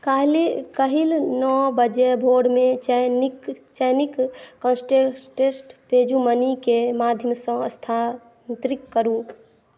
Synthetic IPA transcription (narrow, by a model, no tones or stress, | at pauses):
kalkəɦilnɔbəd͡ʒebʱoːɖmẽkt͡ʃənikːə̃nsʈesʈesʈpeːd͡ʒumənikemaːd̪ʱjəmsə̃əst̪ʰa | nt̪ɾikːəɾu